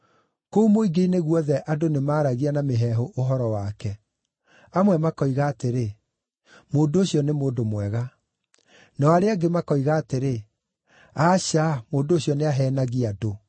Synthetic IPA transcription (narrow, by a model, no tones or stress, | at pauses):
koumoiɡeineɣwɔðɛʔadonemaːɾaɣianameɦɛɦoʔoɦɔɾɔwakɛ | amwɛmakɔiɣaːteɾe | moːndoːɕjɔnemoːndomwɛɣa | naaɾeaɡemakɔiɣaːteɾe | aɕamoːndoːɕjɔneaɦɛːnaɣiado